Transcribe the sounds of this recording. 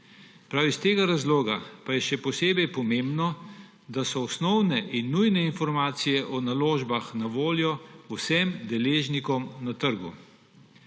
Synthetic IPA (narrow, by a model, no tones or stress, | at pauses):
pɾawist̪eːɡaɾazloːɡapajɛʃɛpɔseːbɛjpɔmeːmbnɔ | d̪asɔɔsnɔwnɛʔinːujnɛinfɔɾmaːt̪sijɛʔɔnaloːʒbaxnaʋoːljɔwsɛmd̪ɛleːʒnikɔmnat̪əɾɡṵ